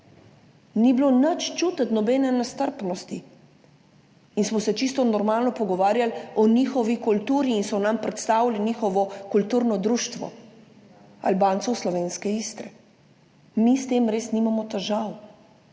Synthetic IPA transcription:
niblonət͡ʃt͡ʃuːt̪ət̪nɔbɛnɛnast̪əɾpnɔst̪i | insmɔsɛt͡ʃist̪ɔnɔɾmaːlnɔpɔɡɔʋaːɾjalɔniːxɔʋikult̪uːɾiːnsɔnampɾɛt̪st̪aːwlanixɔʋɔkult̪uːɾnɔd̪ɾuːʃt̪ʋɔ̰ | albaːnt̪sɔwslɔʋeːnskɛist̪ɾɛ | mist̪eːmɾeːsnimamɔt̪ɛʒaw

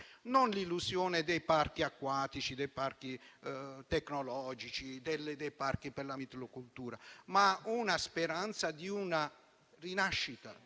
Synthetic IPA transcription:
nɔnlilːusjɔːnɪd̪ɛjpaɾkiakːwaːt̪it͡ʃid̪ɛjparki | t̪ɛkːnɔlɔːd͡ʒit͡ʃid̪ɛlːɪd̪ɛjparkipɛɾlamit̪lokult̪uːɾamaunaspeɾant̪sad̪iuna | rinaʃːit̪a̰

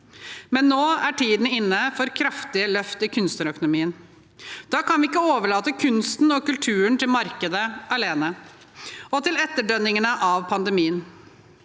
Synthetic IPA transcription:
mɛnːoːæʈʰiːd̪n̩ɪnːəfɔɾkʰɾɑft̪ɪəlœft̪ɪkʰʉnst̪əɾœkʊnʊmiːən | d̪̥ɑːkɑnʋɪɪkːəoːʋəɭɑːt̪əkʰʉnst̪n̩ɔkʉlt̪ʰʉːəɳt̪ʰɪlmɑɾkəd̪əʔɑɭeːnə | ɔt̪ʰɪlɛt̪ːəɖœnːɪŋənəʔɑʋpʰɑnd̪əmiːən

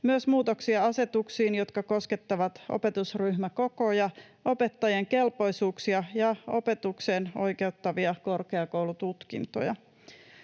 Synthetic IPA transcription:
myøsmuːt̪oksiɑɑse̞t̪uksiːnjo̞t̪kɑko̞ske̞t̪ːɑʋɑt̪o̰pe̞t̪usryhmæko̞kojɑ | o̞pet̪ːɑjeŋke̞lpo̞isuːksiɑjɑo̰pe̞t̪ukseːno̞̰jke̞ut̪ːɑʋiɑko̞rkeɑkowlut̪ut̪kḭnt̪o̰jɑ̰

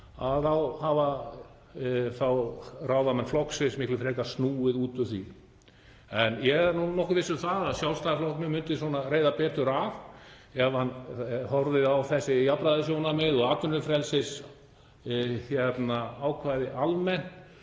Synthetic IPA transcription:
aðθawhaːva | θawrawvamɛnflɔhksvɪsmɪhklɪfɾɛːkasnuːɪðuːt̪ʏθi | ɛnjɛɾnunɔhkʏvɪsʏθaðaðsjawlst̪aaflɔhknʏmʏnt̪ɪsɔːnareːjðapɛːt̪ʏɾav | ɛvhanhɔɾðɪðawθɛsːɪjapɾaðɪs̬jownamɪðɔɣaːt̪ʏnːʏfɾɛlsɪs | çjɛt̪naaːwkʰvaːjðɪʔalmɛn̥t̪

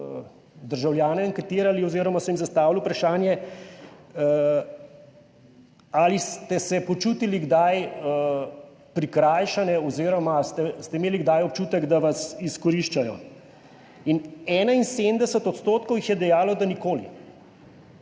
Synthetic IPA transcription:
d̪əɾʒawljaːnɛaŋkɛt̪iːɾaliɔziːɾɔmasɔjimzast̪aːʋilwpɾaʃaːnjɛ | alist̪ɛsɛpɔt͡ʃuːt̪iliɡd̪ajə | pɾikɾaːjʃanɛɔziːɾɔmast̪ɛst̪ɛimeːliɡd̪ajɔpt͡ʃuːt̪əɡd̪aʋasiskɔɾiʃt͡ʃajɔ̰ | inɛːnainsemd̪ɛsət̪ɔt̪st̪oːt̪kɔwjixjɛd̪ɛjaːlɔd̪anikoːlḭ

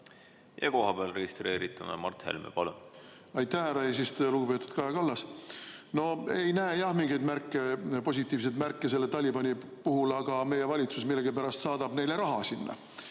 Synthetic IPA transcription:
jɑ̰ko̞ɦɑb̥eɑlreɡist̪ɾeːɾit̪ːˑunɑ̰mɑrt̪hḛlmḛpɑlun | ɑjt̪ːæhæɾɑis̬ist̪luɡupe̞ːt̪ːˑud̪̥kɑjɑkɑlːɑs | no̞e̞jnæːjɑhmiŋɡ̥ejd̪mærkˑːe̞po̞s̬ʲit̪ːˑiːvs̬ejd̪mærkːˑese̞lːet̪ɑlʲibɑnʲi | puɦulɑɡ̥ɑme̞jevɑlʲit̪susmilːeɡipæɾɑst̪sɑːd̪ɑb̥ne̞jleɾɑɦɑsinːɑ̰

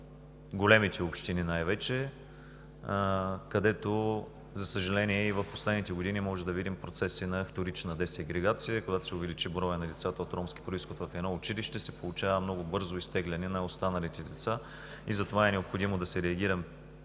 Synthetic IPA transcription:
ɡolɛmit̪ɛopʃt̪ininajvɛt͡ʃɛ | kɐd̪ɛt̪o | zɐsəʒɐlɛniɛivɐfpo̥slɛd̪nit̪ɛɡod̪inimɔʒɛd̪ɐvid̪impɾot̪sɛsinɐːft̪oɾit͡ʃnəd̪ɛsɛɡɾɛɡat̪sijəkoɡat̪o̥sɛʊvɛlit͡ʃibɾɔjənɐd̪ɛt̪sat̪ɐot̪ɾɔmskʲi̥pɾoisxot̪vɐfɛd̪nɔʊt͡ʃiliʃt̪ɛsɛpolˠʊt͡ʃavəmnɔɡʊbɤɾzoist̪ɛɡlʲɐnɛnɐost̪anɐlit̪ɛd̪ɛt̪sa | izɐt̪ovaɛnɛopxod̪imod̪ɐsɛɾɛɐɡʲiɾɐm

